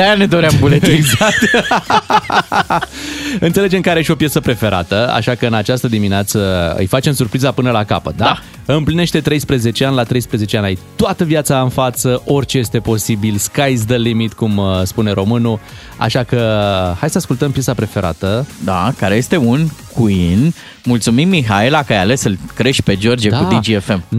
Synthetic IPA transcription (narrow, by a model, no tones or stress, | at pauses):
ajaned̪o̞ɾeambulet̪ueɡzak̚t̪ | ɨnt̪sele̞d͡ʒe̞mkaɾeʃio̞pjesəpɾe̞fe̞ɾʔa̰t̪əa̰ʃakəɨnat͡ʃast̪əd̪imineat̪səɨ̰jfat͡ʃe̞msurpɾizapɨnəlaka̰pət̪̚d̪aa | ɨmpline̞ʃt̪e̞t̪ɾe̞jspɾeze̞t͡ʃe̞anʲlat̪ɾe̞jspɾəze̞t͡ʃe̞anaijt̪oat̪əviat̪saɨnfat̪səʔo̞rʲt͡ʃe̞je̞st̪e̞po̞sibilskajs̬d̪əlimit̪kumspune̞ɾo̞mɨnu | a̰ʃakəhajsəaskult̪əmpjesapɾe̞fe̞ɾʔa̰t̪əd̪akaɾeje̞st̪e̞unkʰuin | mult̪sumimːiɦaelakəajale̞sɨlkɾe̞ʃpe̞d͡ʒo̞rd͡ʒieud̪id͡ʒiefe̞m